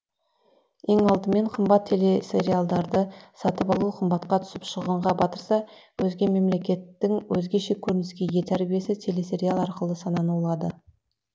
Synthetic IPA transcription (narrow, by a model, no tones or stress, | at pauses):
e̞ŋɑlˠd̪əme̞ɴqʰəmbɑt̪ʰːe̞le̞se̞ɾialˠd̪ɑɾd̪əsɑt̪əpɑlˠuqʰəmbɑt̪̚qɑt̪ʰʏ̥sɪpʃəʁəɴʁɑbɑt̪əɾsɑwɵzɡʲe̞me̞mle̞kʲe̞t̪ːɪŋwɵzɡʲe̞ʃe̞kʲʰɵɾɪnɪskʲe̞jet̪ʰæɾbije̞sɪt̪ʰe̞le̞se̞ɾijalˠɑɾqəlˠəsɑnɑnuwlˠɑd̪ə